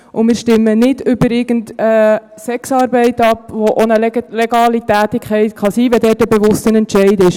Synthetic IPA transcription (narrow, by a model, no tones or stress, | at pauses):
ʔʊmɪːɾʃtɪmːənɪdʏbəɾɪɡən̩tə | sɛksɑːɾbɛɪtɑpʋoʔonəlɛleɡ̥ɑːlitæːtɪkʰχɛɪt̪kʰχɑsiːʋɛdɛːtəbɛʋʊstənɛntʃɛɪdɪʃ